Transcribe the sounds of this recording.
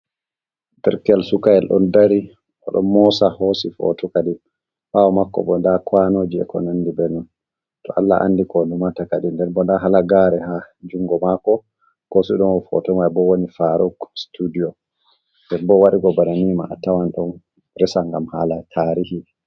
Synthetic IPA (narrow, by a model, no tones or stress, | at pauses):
tɛɾkɛlsukaɛlɗɔ̰ndaɾi | ʔɔ̰ɗɔ̰nmɔsahosifɔ̰tɔkadi | fawɔmakːɔ̰bɔndakwanoːd͡ʒiɛ̰kɔ̰nandibɛnun | tɔ̰ʔa̰lːa̰ʔa̰ndikɔlumatakaɗindɛɾbɔndaɦalaɡaɾɛhad͡ʒuŋɡɔmakɔ | kɔsiɗɔnɔfɔ̰tɔmajbɔwonifaɾɔɡstudiɔ | dɛnbɔwaɗiɡɔbaɾanima̰ːtawanɗɔn | ɾɛsaŋɡamhalatʰaɾihi